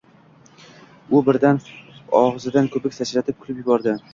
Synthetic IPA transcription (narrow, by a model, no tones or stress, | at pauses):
ʊbɪɾd̪anɒʁzɪd̪ankʰɵpɪkʲsʰat͡ʃlat̪ʰɪp̚kʰʊ̥lɪpjʊbɒɾd̪ɪ